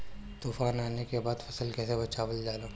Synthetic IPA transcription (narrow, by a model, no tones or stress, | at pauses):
t̪uːfaːnaːnekebaːd̪fɐsəlkɛːsebɐt͡ʃaːʋəld͡ʒaːlãː